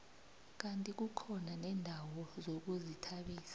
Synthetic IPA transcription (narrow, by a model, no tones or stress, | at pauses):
k̬antʼik̬uǃʰɔnanɛːndʱawɔzok̬uzitʰaɓiːsḁ